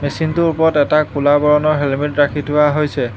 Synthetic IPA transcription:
mesintuɹpɔɹɔtɛtakulabɔɹɔnɔɹɦelmetɹakʰitʊwaɦojsɛ

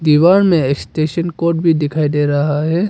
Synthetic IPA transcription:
d̪iʋaːnmẽɪksʈeːʃənkoːɾʈ̚bʱid̪ɪkʰaːid̪eːɾɐɦaɦɛː

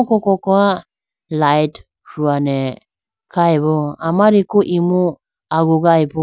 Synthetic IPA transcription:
kɔkɔkɔa | lajt | ɾuanɛ | kajbɔamaɾikuʔimu | aɡuɡajbɔ

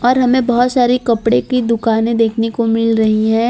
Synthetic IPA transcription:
ɔːɾɦɐmẽbɐɦʊt̪saːɾikɐpɽekid̪ʊkaːnẽd̪eːkʰnekomɪlɾɐɦiɦɛ̃ː

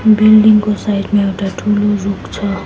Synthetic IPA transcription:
bilɖiŋɡkosajiʈmẽewʈaʈʰuːloɾukt͡sʰʌ

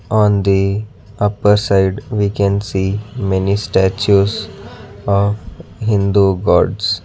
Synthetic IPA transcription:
ɔ̃ːnd̪i | ʌpəɾsaɪɖʋikɛ̃nsiːmɛnisʈæt͡ʃuz | ɔfɦɪ̃nd̪uɡɔːɾɖs

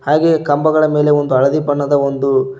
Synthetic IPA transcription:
haːɡe̞kɐmbɐɡɐɭɐme̞ːle̞o̞nd̪uɐɭɐd̪ipɐɳːɐd̪ɐo̞nd̪u

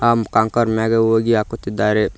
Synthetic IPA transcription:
amkaŋkəɾmɛɡeoɡiakut̪id̪aɾe

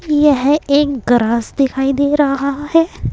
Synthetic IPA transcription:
jɛɦeːkɡɾaːsd̪ɪkʰaːid̪eːɾɐɦahɛː

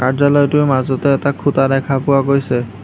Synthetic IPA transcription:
kaɹzalɔjtʊɹmazɔtɛːtakʰut̪ad̪ɛkʰapʊaɡojsɛ

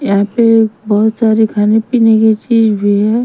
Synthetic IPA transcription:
jɐɦãpebɐɦʊt̪saɾikʰaːnepineket͡ʃiːd͡ʒbʱiɦɛ

